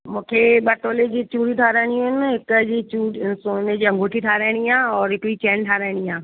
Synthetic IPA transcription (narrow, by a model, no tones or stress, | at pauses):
mũːkʰeːɓɐʈoːled͡ʑiːt͡ɕuːɽit̪ʰaːɾaːɽ̃ijũɦɪnɦɪkd͡ʑiːt͡ɕuːɽsoːned͡ʑiːɐ̃ŋɡʱoːʈʰit̪ʰaːɾaːɪɽ̃iaːɔːɾɦɪkiːt͡ɕɛːnʈʰaːɾaɪɽ̃iaː